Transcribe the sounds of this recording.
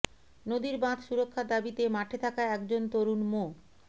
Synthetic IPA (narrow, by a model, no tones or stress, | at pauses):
nod̪iɾbãt̪ʰʃuɾokʰːad̪abit̪emaʈʰet̪ʰakaeɛkd͡ʑont̪oɾunmo